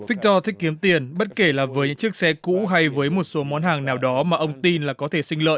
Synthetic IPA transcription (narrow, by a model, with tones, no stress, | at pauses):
fï˦˥k̟̚t̪ɔ˧t̪ʰï˦˥k̚kːi˨˦əmt̪i˨˩ənɓə˦˥t̚ke˧˩laː˨˩vəː˨˦jɲɨ̰˧˥ŋt͡ɕɨ˦˥ək̚sɛ˧kṵ˧˥ɦa˧jvəː˨˦jmo˨˩t̚so˨˦mɔ˨˦nhaː˨˩ŋnaː˨˩wɗɔ˨˦maː˨˩ʔə˧wŋ͡mt̪i˧nlaː˨˩kɔ˨˦t̪ʰe˧˩sï˧ŋ̟lə̰ː˧˨j